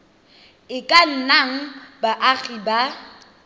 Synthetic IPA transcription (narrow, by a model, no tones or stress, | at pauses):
ɪkʼan̩naŋ̩baʔaɣiba